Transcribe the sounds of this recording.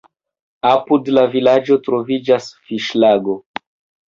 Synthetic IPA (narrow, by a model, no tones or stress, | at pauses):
apudlavilad͡ʒo̞tɾo̞vid͡ʒasfiʃlaɡo